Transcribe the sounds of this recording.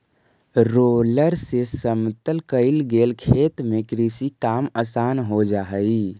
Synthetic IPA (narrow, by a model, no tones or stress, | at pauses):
ɾoləɾsesəmt̪əlkəɪlɡelkʰet̪mekɾisikaməsanɦod͡ʒaɦəɪ